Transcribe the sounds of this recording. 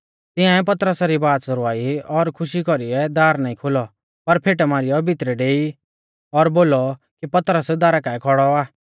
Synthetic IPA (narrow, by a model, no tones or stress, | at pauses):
t̪ɪ̃ãɛp̬ɐt̪əɾəsaɾibaːt̪sɐɾʊaːiɔɾkʰʊʃikɔɾiɛd̪aːɾnaːĩkʰʊlɔ | pɐɾpʰeːʈɛmaːɾɪjɔbʱɪt̪ɾɛɖeːi | ɔɾboːlɔ | kipɐt̪ɾəsd̪aːɾakaːɛkʰɔɽɔaː